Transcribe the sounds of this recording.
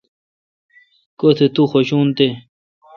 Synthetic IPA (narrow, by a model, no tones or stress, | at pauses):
kot̪ʰet̪uxoɕuːnt̪e